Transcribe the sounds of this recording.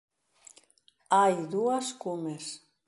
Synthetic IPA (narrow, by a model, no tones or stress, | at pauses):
ajðuaskumes